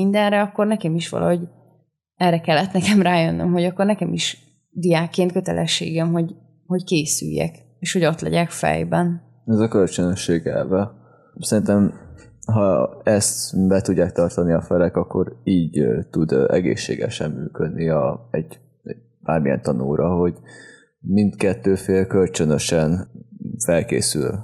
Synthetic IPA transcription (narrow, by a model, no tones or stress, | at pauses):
ind̪ɛnɾɛɒkːo̞rnɛkɛmiʃʋɒ̰lʔɒ̰ɦo̞ɟ | ɛrɛkɛlːɛt̪nɛkɛmraːjønːø̰mɦo̞ɟɒkːornɛkɛmiʃ | d̪ijaːkːeːnt̪kø̞t̪ɛlʔɛ̰ʃːḛːɡɛmɦo̞ɟ | ho̞ckeːsy̰jːɛ̰k | eːʃho̞ɟo̞t̪lɛ̰ɟɛkfɛ̰jbɛn | ɛzɒkølt͡ʃønøʃːeːɡɛ̰lvɛ | sɛɾint̪ɛm | ɦɒɛst̪bɛt̪uɟːaːk̚t̪ɒrt̪ɒniɒfɛlɛkɒkːo̞ɾiːɟt̪ud̪ɛ̰ɡḛːʃːḛːɡɛ̰ʃɛmːyːkød̪niɒɛɟ | b̥aːrmijɛ̰nt̪ɒno̰ːɾɒɦo̞ɟ | mint̪kɛt̪ːøːfeːlkø̞lt͡ʃønøʃɛnfɛlkḛːsyl